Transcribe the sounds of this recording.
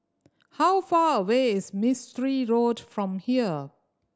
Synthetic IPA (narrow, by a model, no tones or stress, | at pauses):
hawfaːɹəweːɪzmɪstəɹiɹoːdfɹɔ̃mhiə